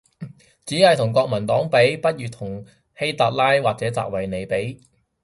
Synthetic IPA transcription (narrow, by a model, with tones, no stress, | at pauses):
t͡siː˨˥hɐ˨jt̪ʰʊ˨˩ŋkɔː˧k̚mɐ˨˩nt̪ɔː˨˥ŋpe˨˥jpɐ˥t̚jyː˨t̪ʰʊ˨˩ŋ | he˥jt̪a˨˧t̚laː˥jwaː˨k̚t͡sɛː˨˥t͡sa̰ː˧k̚wɐ˨jne˨˧jpe˨˥j